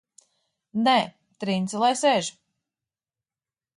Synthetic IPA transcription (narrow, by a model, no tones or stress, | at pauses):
nɛ | t̪ɾint̪sɨlˠajsɛʒ